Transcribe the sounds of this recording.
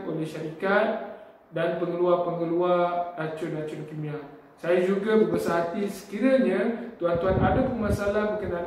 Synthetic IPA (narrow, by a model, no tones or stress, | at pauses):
olɛhʃaɾikat̪̚ | danpəŋəluapəŋəluarat͡ʃʊnat͡ʃʊnkimĩa | sajad͡ʒuɡabəbəsaɦat̪isə̥kiɾaɲãt̪uɦant̪uɦanadapəmasalahməkənal